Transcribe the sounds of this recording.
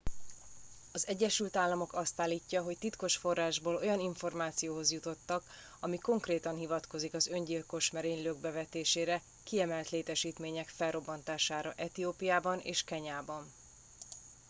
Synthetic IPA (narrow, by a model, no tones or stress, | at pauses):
ɒzɛɟːɛʃylt̪aːlːɒmo̞kɒst̪aːlːicːɒɦo̞ct̪it̪ko̞ʃfo̞rːaːʒboːlo̞jɒniɱfo̞rmaːt̪sijoːɦo̞zjut̪o̞t̪ːɒk | ɒmiko̞ŋkreːt̪ɒnɦivɒt̪ko̞zikɒzø̞ɲɟilko̞ʃmɛɾeːɲløːɡ̚bɛvɛt̪eːʃeːɾɛ | kiɛmɛlt̪leːt̪ɛʃiːt̪meːɲɛkfɛlro̞bːɒnt̪aːʃaːɾɒʔɛt̪ioːpijaːbɒnʔḛːʃkɛɲaːbɒn